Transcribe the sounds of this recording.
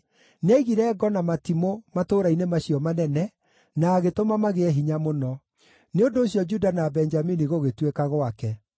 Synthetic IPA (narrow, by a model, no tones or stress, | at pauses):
nɛiɣiɾɛːɡɔnamatimomatoɾainemaɕiɔmanɛnɛ | naːɣetomamaɣeɛɦiɲamonɔ | neondoːɕjɔd͡ʒudanabɛnd͡ʒaminiɣoɣetwekaɣwakɛ